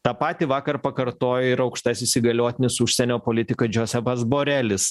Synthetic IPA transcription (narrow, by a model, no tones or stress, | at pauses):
t̪ɑːpɑːt̪ʲiʋɑːkɐɾpɐkɐɾt̪oːjoɪɾɐʊkʃt̪ɐsʲisʲɪɡɐlʲoːt̪ʲɪnʲɪsʊʃʲsʲɛnʲoːpoːlʲɪt̪ʲɪkɐd͡ʒʲoːsʲɛpɐzboːɾʲælʲɪs